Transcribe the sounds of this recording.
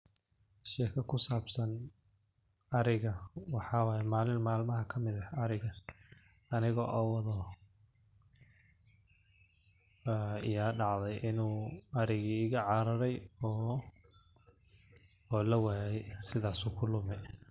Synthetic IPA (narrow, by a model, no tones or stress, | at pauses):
ʃɛːkʰɐkʰʊsaːbsɐn | ɐɾɪɣɐwɑħɑːwaːjɛmaːlɪnmaːlmɐɦɐkʰɐmɪðɐɐɾɪɣɐ | ɐnɪɣɔʔɔːwɑðɔ | ɪjaːɖɑʕðɛjʔɪnuːɐɾɪɣiːɣɐʕɑːɾɐɾɛjɔː | lɐwaːjɛsɪðaːsuːkʰʊlʊmɛ